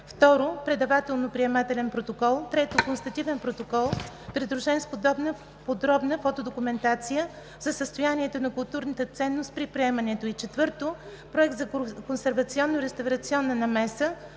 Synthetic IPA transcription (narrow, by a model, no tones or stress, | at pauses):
ft̪ɔɾopɾɛd̪ɐvat̪ɛlˠnopɾiɛmat̪ɛlɛnpɾot̪okɔlˠt̪ɾɛt̪okonst̪ɐt̪ivɛnpɾot̪okɔlˠ | pɾid̪ɾʊʒɛnspod̪ɔbnə | pod̪ɾɔbnəfɔt̪od̪okʊmɛnt̪at̪sijə | zɐsəst̪ojaniɛt̪onɐkʊlˠt̪uɾnət̪ət̪sɛnːost̪̚pɾipɾiɛmɐnɛt̪oit͡ʃɛt̪vɤɾt̪o | pɾoɛk̚t̪zɐkonsɛɾvɐt̪siɔnːoɾɛst̪ɐvɾɐt̪siɔnːənɐmɛsə